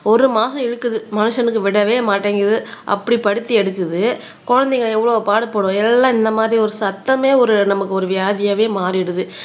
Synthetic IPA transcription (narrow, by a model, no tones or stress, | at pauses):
ɔɾɯmaːsɐ̃ɛɽɯkːɯðɯmɐnɯʂɐnɯkːɯʋɪɽɐʋeːmaːʈːeːŋɡɪɾɐðɯʔɐ̰pːɐɽipɐɽɯt̪ːiɛɽɯkːɯðɯ | kɔɻɐnd̪eŋɡɐɭɛʋːɐɭɐpaːɽɯpːoːɽõːɛlːãːɪnd̪ɐmaːðɾiɔɾɯsɐt̪ːɐmeːɔɾɯnɐmɐkːɯɔɾɯʋɪjaːðɪjɐʋeːmaːɾɪɽɯðɯ